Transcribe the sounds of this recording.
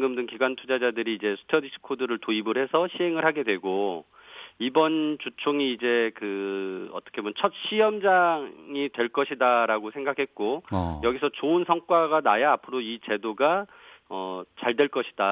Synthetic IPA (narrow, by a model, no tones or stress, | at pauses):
ɡɯmdɯŋkiɡwantʰud͡ʑad͡ʑadɯɾiːd͡ʑe̞sʰu̥tʰʌdiɕʰi̥kʰodɯɾɯɭtoibɯɾɦe̞sʰʌɕʰiɦe̞ŋɯɭɦaɡe̞dwe̞ɡo | ibʌnt͡ɕut͡ɕʰoŋiːd͡ʑe̞kɯʌ̰t͈ʌkʰemnt͡ɕʰʌt̚ɕ͈ʰijʌmd͡ʑaŋitwe̞ɭk͈ʌɕʰidaɾaɡosʰe̞ŋɡakʰe̞t̚k͈ojʌɡisʰʌt͡ɕoɯnsʰʌŋk͈waɡanajaːpʰɯɾoit͡ɕe̞doɡa | ʌt͡ɕaɭdwe̞ɭk͈ʌɕʰi̥d̥a